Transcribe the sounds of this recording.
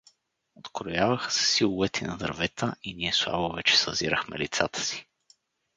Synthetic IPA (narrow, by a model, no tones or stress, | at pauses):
ot̪kɾojavəxsɛ̥silˠuvɛt̪ɛnɐd̪ə̰ɾvɛt̪ʰəiniɛslˠa̰bovɛt͡ʃɛ̥sə̰ziɾəxmɛ̰lit̪sat̪ə̥si̥